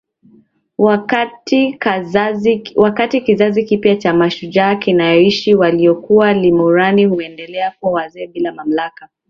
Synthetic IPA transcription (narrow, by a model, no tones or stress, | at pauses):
wakati | wakatikizazikipjat͡ʃamaʃud͡ʒaːkinajɔiʃiwaliɔkualimuɾanihuɛndɛlɛakuawazɛːɓilamam̩laka